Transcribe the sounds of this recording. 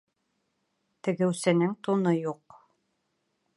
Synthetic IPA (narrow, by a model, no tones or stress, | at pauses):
t̪ɘ̆ɡɘ̆wsɘ̆nɘŋt̪unɤjuq